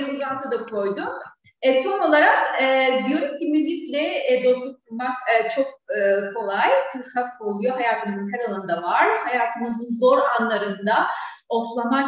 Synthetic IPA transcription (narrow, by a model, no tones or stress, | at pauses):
uzat̪ʰad̪akʰo̞jd̪um | ɛso̞no̞lˠaɾakɯd̪ijo̞ɾumcimyzʲiclʲɛd̪o̞slˠuk̚buɾmakːt͡ʃʰo̞k̚ɯkʰo̞lˠajkʰɯlˠsafo̞lˠujoɦajaːt̪ʰɯmɯzɯnɦɛɾalˠanɯnd̪avaɾd̪hajaːt̪ʰɯmɯzɯnzo̞ɾanlˠaɾɯnd̪a | oflˠama